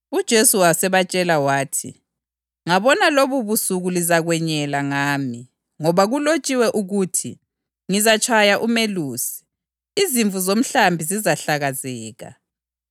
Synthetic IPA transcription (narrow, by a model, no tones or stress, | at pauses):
ud̥ʒ̥ʱesuwasɛβat͡ʃʼɛlawaːtʰḭ | ŋaβɔnaloβuβusuɣulizaɣwɛɲɛlaŋaːmi | ŋɔβaɣulot͡ʃʼiwɛʔuɣuːtʰḭ | ŋizat͡ʃʰʼajaʔumeluːsi̥ | iziɱvuzom̩ɬambʱizizaɬaɣazɛːɣa̰